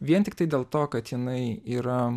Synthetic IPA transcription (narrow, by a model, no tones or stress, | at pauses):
ʋʲiɛnt̪ʲɪkt̪ɐɪd̪ʲeːlˠt̪oːkɐt̪jɪnɐɪiːɾɐ